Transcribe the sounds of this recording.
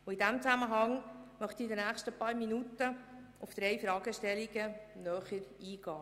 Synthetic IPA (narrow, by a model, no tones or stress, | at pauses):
ʊidæmt͡sæməɦɑŋmœχtidənæːχʃtəpɑːɾminutə | ʊfd̪̥ɾɛjfɾɑːɡ̥əʃtɛliɡənœːχəɾiːɡ̥ɑː